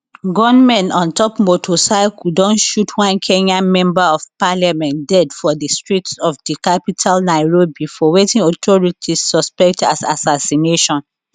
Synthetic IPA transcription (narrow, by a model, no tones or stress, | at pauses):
ɡɔ̃nmɛ̃nɔ̃ntɔpmotʰosakudɔ̃nʃutʰwãnkʰẽɲãnmɛ̃mbaɔvpalamɛ̃ntdɛdfɔdistɹitsɔfdikapitʰalnaɪɹobifɔwetĩŋɔtʰɔɹitʰisːɔspɛk̚tasasasineʃɔ̃n